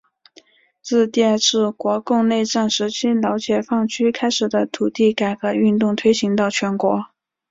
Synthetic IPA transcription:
t͡sɹ̩˥˧t̪i˥˧˥ʈ͡ʂɻ̩˥˩kwɔ˧˥kʊ˥˧ŋne˥˧ɪʈ͡ʂa˥˩nʂɻ̩˧˥t͡ɕʰi˥ljɑ˧˥ʊt͡ɕjɛ˨˩fɑ˥˩ŋt͡ɕʰy˥kʰa˥ɪʂɻ̩˨˩d̪ə˦t̪ʰu˨˩t̪i˥˩ka˨˩ɪkɤ˧˥y˥˧nt̪ʊ˥˩ŋt̪ʰwe˥ɪɕi˧˥ŋt̪ɑ˥˩ʊt͡ɕʰɥɛ˧˥nkwɔ˧˥

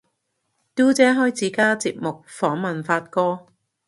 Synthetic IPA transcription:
t̪uː˥t͡sɛː˨˥ɦɔː˥jt͡siː˨˥kaː˥t͡siː˧p̚mʊ˨k̚fɔː˨˥ŋmɐ˨nfaː˧t̚kɔː˥

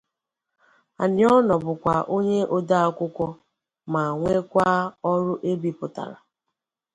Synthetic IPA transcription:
a̰˨nɪ˨ɔ˦nɔ˨bʊ˨kʷa˨ʔo˦ɲe˦ʔo˦da˦a˦kʷʊ˦kʷɔ˦ | ma˨ŋʷe˦kʷa˦ɔ˦ɾʊ˦ʔe˦bi˨pʊ˨ta̰˨ɾa˨

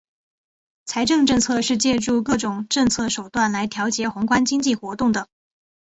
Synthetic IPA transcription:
t͡sʰa˧˥ɪʈ͡ʂɤ˥˧ŋʈ͡ʂɤ˥˧ŋt͡sʰɤ˥˧ʂɻ̩˥˧t͡ɕjɛ˥˧ʈ͡ʂu˥˧kɤ˥˩ʈ͡ʂʊ˨˩ŋʈ͡ʂɤ˥˧ŋt͡sʰɤ˥˩ʂo˨˩ʊt̪wa˥˩nla˧˥ɪt̪ʰjɑ˧˥ʊt͡ɕjɛ˧˥xʊ˧˥ŋkwa˥nt͡ɕi˥ŋt͡ɕi˥˩xwɔ˧˥t̪ʊ˥˩ŋd̪ə˩

